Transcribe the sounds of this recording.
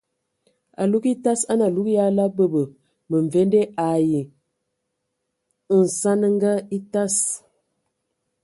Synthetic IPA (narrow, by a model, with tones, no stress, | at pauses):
a̰˨lu˦ki˦ta˦sa˦na˨lu˦kja˦la˦bə˦bə˨ | mə˨ɱ˨ve˦nde˦ʔa˨ji˨ | n̩˨sa˦nə˦ŋɡa˦i˦ta˦s